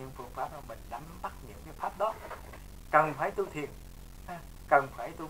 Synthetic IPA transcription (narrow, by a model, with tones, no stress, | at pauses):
ɲɨ̰˧˥ŋfɨ˧˩əŋfaː˦˥zɔ˧wŋ͡mɓḭ˧˨ŋ̟ɗa˨˦mɓa˦˥t̚ɲɨ̰˧˥əwkaː˨˦jfaː˦˥p̚ɗɔ˨˦ | kə˨˩nfaː˧˩jt̪u˧t̪ʰḭ˨ən˧˩ | kə˨˩nfaː˧˩jt̪u˧